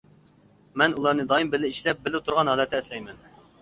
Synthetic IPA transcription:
mɛnulˠɑɾnɨd̪ɑimbɪlɪiʃlɛp̚bɪlɪt̪ʰuɾʁɑnɦɑːlˠɛt̪ʰɪːslɛjmɛn

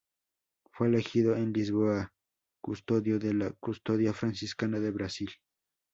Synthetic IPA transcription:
felexiðoenlis̬βoa | kʊst̪oðjoðelakust̪oðjafɾansiskanaðeβɾasil

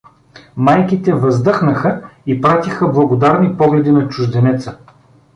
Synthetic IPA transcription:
majkit̪ɛvɐzd̪ɤxnəxəipɾat̪ixəblˠɐɡod̪aɾnipɔɡlɛd̪inɐt͡ʃʊʒd̪ɛnɛt̪sə

